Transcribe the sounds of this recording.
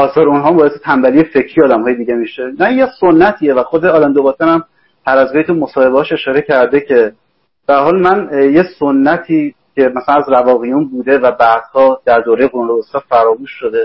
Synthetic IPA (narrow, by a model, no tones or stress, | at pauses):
ʔɒːsɒːɾunɦɒːmbɒːeset̪ʰæmbælijefe̞cʰɾijɒːd̪æmhɒːje̞d̪iːɟemiʃemænjesonːæt̪ʰiːevæxod̪eɒːlænd̪obɒst̪ænæm | hæɾæzɡejt̪ʰumo̞sɒːhe̞beɒːʃe̞ʃɒːɾe̞cʰæɾd̪e̞cʰe̞ | b̥ææɾɦɒːlmænje̞sonːæt̪ʰiː | cʰe̞mæsælænæzɾævɒːɣijunbuːd̪e̞væbæd̪̥hɒːd̪̥æɾd̪oːɾejeɡoɾunob̪ost̪ɒːfæɾɒːmuːʃːo̞d̪e